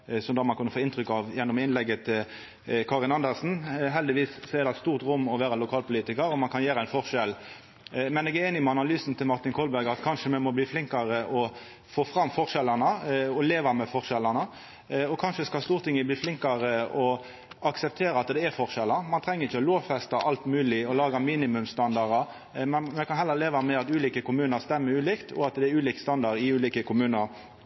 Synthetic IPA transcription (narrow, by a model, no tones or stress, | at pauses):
sɔmd̪ɑːmɑnkʉnːəfoːɪnt̪ʰɾʏkːɑʋjɛnːɔmɪnlɛɡːət̪ʰɪl | kʰɑʁɪlɑnd̪əʁsn̩ɦɛld̪ɪʋiːssɔɛʁɾd̪ɛt̪st̪uːʁt̪ɾʊmːɔʋæːɾəlʊkʰɑːlpʊliːt̪ɪkəɾɔmɑnkʰɑnjeːɾəæɪnfɔʁʂɛl | mɛnɛɡæɾeːnɪmɛɑnɑlyːsn̩t̪ʰɪlmɑʁt̪ɪnkʰɔlbæɾɡɑt̪kʰɑnʂəmɛmɔbliːflɪŋkɑɾəʔɔ | foːfɾɑmːfɔʁʂɛlːəʁnəɔleːʋɑmɛfɔʁʂɛlɑnə | ɔkʰɑnʂəskɑst̪uːɾt̪ʰɪŋːəbliːflɪŋkɑɾəɔ | ɑksɛp̚t̪ʰeːɾəɑt̪d̪ɛːɾfɔʁʂɛlːəɾmɑnt̪ʰɾɛŋːəɾɪçːəɔloːʋfɛst̪ɑʔɑlt̪mʉːlɪɔlɑːɡɑmiːnɪmʉmst̪ɑnd̪ɑɾɑ | mɛnmɛkɑnɦhɛlːəɾleːʋɑmɛɑt̪ʉːliːkəkʊmʉːnəɾst̪ɛmːəɾʉːliːkt̪ʰɔ̰ɑt̪d̪ɛɛɾʉːliːkst̪ɑnd̪ɑʁd̪ɪʉːliːkəkʰʊmʉːnəɾ